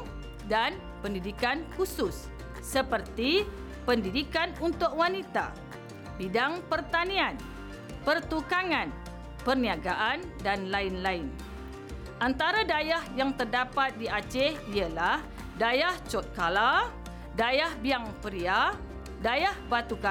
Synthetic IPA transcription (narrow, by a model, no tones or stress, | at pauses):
dan | pəndidikankusʊsː | əpərt̪i | pəndidikanunt̪ʊk̚wanit̪a̰ | bidaŋpərt̪anian | pərt̪ukaŋan | pərniaɡaʔandanlainlaɪn | ʔant̪aɾadajahjaŋt̪ərdapat̪̚diat͡ʃɛhiəlah | dajaht͡ʃɔt̪̚kala | dajahbiaŋpəɾia | dajahbat̪uka